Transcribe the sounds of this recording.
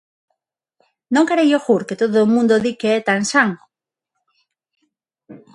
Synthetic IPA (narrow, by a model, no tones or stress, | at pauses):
nõŋkeɾejoxuɾket̪oðoːmũnd̪oðikeɛt̪aŋsaŋ